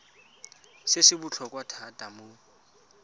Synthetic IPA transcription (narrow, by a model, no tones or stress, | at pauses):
sɪsɪbut͡ɬʰɔkʼwatʰatʼamo